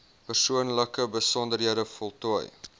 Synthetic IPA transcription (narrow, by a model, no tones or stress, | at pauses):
pərsuənləkəbəsɔndərɦiədəfɔlˠtuəj